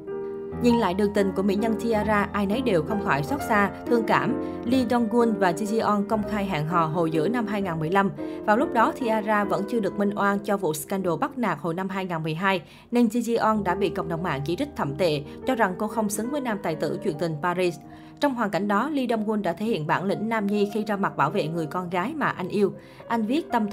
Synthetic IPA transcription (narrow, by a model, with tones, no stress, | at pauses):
ɲḭ˧˨˩nla̰ː˧˨jɗɨ˨˩əŋt̪ï˨˩ŋ̟ku˧˩əmḭ˧˥ɲə˧nt̪ʰi˧ʔaː˧zaː˧ʔaː˧jnə˨˦jɗe˨˩wxə˧wŋ͡mxaː˧˩jswaː˦˥t̚saː˧t̪ʰɨ˧əŋkaː˧˩m | li˧ɗɔ˧nɣu˧nvaː˨˩zi˧zi˧ʔɔ˧nkə˧wŋ͡mxaː˧jɦa̰ː˧˨ŋɦɔ̰˧˨ɦo̰˧˨˩jzɨ̰˧˥əna˧mɦaː˧jŋaː˨˩nmɨ˨˩əjla˧mvaː˨˩wlʊ˦˥k͡p̚ɗɔ˨˦t̪ʰi˧ʔaː˧zaː˧və̰˧˥nt͡ɕɨ˧əɗɨ˨˩ək̚mï˧ŋ̟ʔwaː˧nt͡ɕɔ˧vṵ˧˨skaː˧nɗo˧˩ɓa˦˥k̚naː˨˩k̚ho̰˧˨jna˧mɦaː˧jŋaː˨˩nmɨ˨˩əjɦaː˧j | ne˧nzi˧zi˧ʔɔ˧nɗa̰ː˧˥ɓḭ˧˨kə̰˧˨wŋ͡mɗə˨˩wŋ͡mʔa̰ː˧˨nt͡ɕi˧˩tï˦˥k̚t̪ʰə˧˩mt̪ḛ˧˨t͡ɕɔ˧za˨˩ŋko˧xə˧wŋ͡msɨ˨˦ŋvəː˨˦jnaː˧mt̪a̰ː˨˩jt̪ɨ̰˧˩t͡ɕwḭ˧˩ənt̪ï˨˩ŋ̟paː˧zi˧s | t͡ɕɔ˧wŋ͡mɦwaː˨˩nka̰˧˩jŋ̟ɗɔ˨˦li˧ɗə˧nɣu˧nɗa̰ː˧˥t̪ʰe˧˦hḭ˧˨ənɓa̰ː˧˩nlḭ̈˧˥ŋ̟naː˧mɲi˧xi˧zaː˧ma˨˩ɓaː˧˩wvḛ˧˨ŋɨ˨˩əjkɔ˧nɣaː˨˦jmaː˨˩ʔa˧jŋ̟ʔi˧əw | ʔa˧jŋ̟vi˦˥ət̚t̪ə˧m